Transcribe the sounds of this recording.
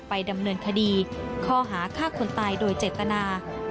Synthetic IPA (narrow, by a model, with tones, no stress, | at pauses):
pa˧jda˧mnɤː˧nkʰa˧diː˧kʰɔː˥˩ɦaː˩˦kʰaː˥˩kʰo˧nt̪aː˧jdoː˧jt͡ɕeː˨˩t̪ːa˧naː˧